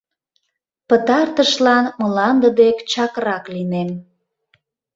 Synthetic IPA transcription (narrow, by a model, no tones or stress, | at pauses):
pət̪ɑrt̪əʃlɑnməlɑnd̪əd̪ekt͡ɕɑkrɑklinem